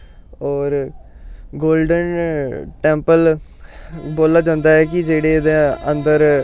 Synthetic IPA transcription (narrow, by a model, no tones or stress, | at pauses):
ɔːɾ | ɡoːlɖənʈɛ̃ːmpəl | boːlaːd͡ʒãːnd̪aːɦɛːkɪd͡ʒeːɽeːd̪eənd̪əɾ